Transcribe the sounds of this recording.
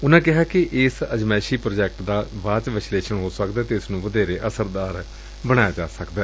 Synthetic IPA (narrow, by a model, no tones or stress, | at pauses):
ʊnãːkɪɦaːkɪʔɪsəd͡ʒmɛːʃiːpɾoːd͡ʒɛːk̚ʈd̪aːʋaːt͡ʃʋɪsleːʃəɳɦoːsəkd̪ɛːt̪eːɪsnũːʋəd̪eːɾeːʔəsəɾd̪aːɾ | bəɽ̃aːjaːd͡ʒaːsəkd̪ɛː